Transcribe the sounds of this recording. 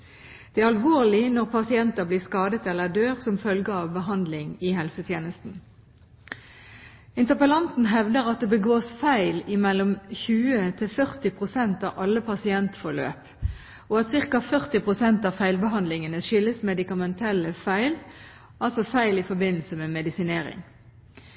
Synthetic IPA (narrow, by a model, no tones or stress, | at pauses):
d̪̥ɛæːɾɑlʋoːʁlɪnɔʁpʰɑsɪɛnt̪əbliːskɑːd̪ət̪ɛlːəd̪øːʁsɔmfœlɡəɑʋbəɦɑnd̪lɪŋɪɦɛlsət̪ʰjeːnəst̪n̩ | ɪnt̪əʁpəlɑnt̪n̩ɦɛʋd̪əʁɑt̪̚d̪ebəɡoːsfæɪlɪmɛlːɔmçʉːət̪ʰɪlfœʁt̪ɪpʰʁʊsɛnt̪ɑːʋʔɑlːəpʰɑsɪɛnt̪fɔlø̰ːp | ɔɑt̪sɪʁkɑfœʁt̪ɪpʁʊsɛnt̪ɑːfæɪlbəɦɑnd̪lɪŋənəʃʏlːəsmɛd̪ɪkɑmɛnt̪ʰɛləfæɪl | ʔɑlsɔfæɪlɪfɔbɪnl̩səmɛːmɛd̪ɪsɪneːɾɪ̰ŋ